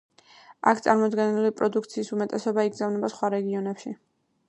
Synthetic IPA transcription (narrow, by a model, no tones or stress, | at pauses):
a̰kʰt̪sʼa̰ɾmɔd̪ɡɛnilipʼɾɔd̪ukʰt̪sʰiːsumɛt̪ʼɛsɔbaiɡzavnɛbasχwaɾɛɡiɔnɛpʃi